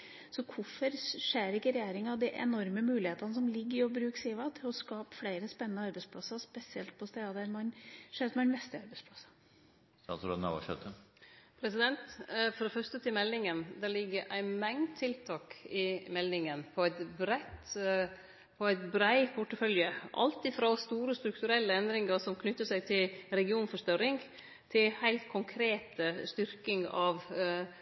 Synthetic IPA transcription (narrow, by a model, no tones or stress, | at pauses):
sɔkʰʊfɔɾʂeːɾɪkːəɾɛjeːɾɪŋɑd̪iʔɛ̰nɔɾməmʉːlɪheːt̪ɑnəsɔmlɪɡːəɔbɾʉːksiːʋɑt̪ʰɪlɔskɑːpfɽæɪɾəspɛnːənəɑɾbɛɪspʰlɑsɑspɛsɪɛlt̪̚pʰɔst̪eːd̪ɑd̪æɾmɑnʂeːsɔmɑnmɛst̪əɑɾbɛɪspʰlɑsɑ̥ | ɑ̰sɾoːd̪nɑ̰ʋɑ̰ʃɛt̪ʰːəpʰɾɛsɪd̪ɛnt̪fɔɾfœʂt̪ət̪ʰɪmɛlːɪŋənd̪ælɪɡːəʔæɪmɛŋd̪t̪ʰːɪlt̪ʰɑːkɪmɛlːɪŋənpʰɔæɪt̪bɾɛt̪ | pʰɔæɪt̪bɾæɪpʰʊʈːəfœljəʔɑ̰lt̪ɪfɾɑst̪uːɾəst̪ɾʉkt̪ʉɾɛlːəɛnd̪ɾɪŋəɾsɔmkʰnʏt̪ːəsæɪt̪ʰɪlɾɛɡɪuːnfɔʂt̪œɾɪŋɡ | t̪ʰɪlhæɪlt̪kʰʊŋkʰɾeːt̪əst̪ʏɾkɪŋɑʋ